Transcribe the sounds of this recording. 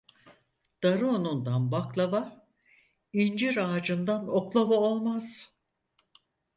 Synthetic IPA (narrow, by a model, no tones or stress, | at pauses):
d̪̥aɾɯonund̪anbaklˠavaɾ | ind͡ʒiɾaːd͡ʒɯnd̪anoklˠobaolˠmaz̥